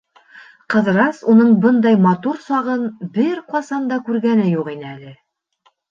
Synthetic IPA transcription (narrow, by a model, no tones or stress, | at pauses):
qɤ̆ðɾɑsunɤɴbɤnd̪ɑjmɑt̪uɾsɑʁɤnbɘɾqɑsɑnd̪ɑkʉɾɡænɘjuʁinɘælɘ